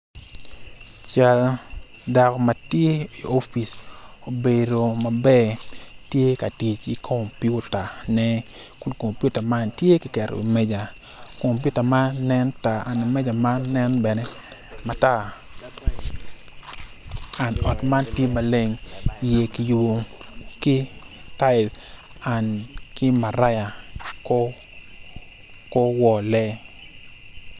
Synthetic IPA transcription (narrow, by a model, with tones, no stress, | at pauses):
t͡ʃa˦l | da˨kma˨tje˦i˨o˦fi˨s | o˨be˨do˨ma˨bɛ˦ | tje˦ka˨ti˨t͡ʃi˨kʰo˨mpju˦ta˨ | nɛ˦ | kʊ˦nko˨mpju˦ta˨ma˦ntje˦ki˨kɛ˨ɾo̰˨ḭ˨mɛ˦d͡ʒa˨ | ko˨mpju˦ta˨ma˦nɛ˦nta˨a˨ni˨mɛ˦d͡ʒa˨ma˦nɛ˦nbɛ˨nɛ˦ | ma˨ta˦ | a˨nɔ˨tma˦ntje˦ma˨le˦ŋ˨je˦ki˨ju˨ | ki˦ | ta˦ɪ˨la˨nkɪ˦ma˨ɾa˦ja˨kɔ˦ | kɔ˦wɔ˨lɛ˦